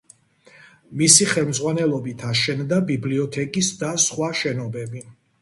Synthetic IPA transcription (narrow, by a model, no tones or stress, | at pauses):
misiχɛlˠmd̪zʁwanɛlˠɔbit̪ʰaʃɛnd̪abibliɔt̪ʰɛkʼisd̪asχwaʃɛnɔbɛbi